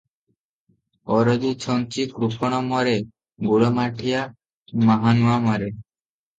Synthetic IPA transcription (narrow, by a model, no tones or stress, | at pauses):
ɔɾodit͡ʃʰɔnt͡ʃikɾupʰɔɽ̃ɔmɔɾe | ɡuɽomaʈʰija | maɦanuamɔɾe